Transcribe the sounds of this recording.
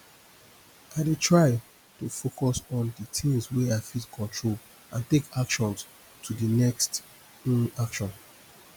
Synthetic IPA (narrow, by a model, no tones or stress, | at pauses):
aɪdetʰɹaɪ | tufokɔsɔ̃ndətĩŋswɛaɪfitkʰɔ̃ntʰɹol | ʔãntekakʃɔ̃ns | tʰudinɛkst̩ | nakʃɔ̃n